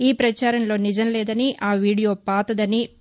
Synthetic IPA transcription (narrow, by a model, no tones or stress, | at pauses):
iːpɾɐt͡ʃaːɾɐnlo̞ːnid͡ʒɐnlɛːd̪ɐniʔaːʋiːɽijo̞ːpaːt̪ɐd̪ɐni